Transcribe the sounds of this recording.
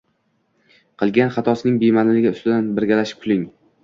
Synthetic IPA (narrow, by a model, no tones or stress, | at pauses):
qʰɨlˠɡʲanχɑt̪ʰɒsɪnɪŋbemanɪlɪɡʲaʊst̪ɪd̪anbɪɾɡʲalaʃɪ̥p̚kʰʊlɪŋ